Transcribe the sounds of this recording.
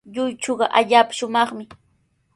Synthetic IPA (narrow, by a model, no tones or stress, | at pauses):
ʎʊjt͡ʃoɢɑʔaʎaːpḁʃʊmɑχmɪ